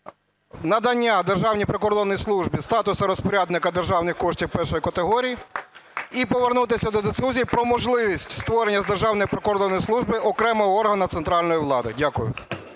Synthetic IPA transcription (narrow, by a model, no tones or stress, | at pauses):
nɐd̪ɐnʲːad̪erʒɑwnʲipɾekɔrd̪ɔnːɔjslˠuʒbʲist̪ɑt̪ʊsɐɾɔspɔɾʲad̪nɪkɐd̪erʒɑwnɪxkɔʃtʲiwpɛrʃɔjikɐt̪eɦɔɾʲiji | ipɔʋernut̪ɪsʲɐd̪ɔd̪esʲuzʲijpɾɔmɔʒlˠɪʋʲisʲtʲst̪ʋɔɾenʲːɐzd̪e̞rʒɑwnɔjipɾekɔɾd̪ɔnːɔjslˠuʒbɪʔɔkɾɛmɔɦɔɔrɦɐnɐt̪sent̪ɾɑlʲnɔjiʋlˠɑd̪ɪdʲakʊjʊ̰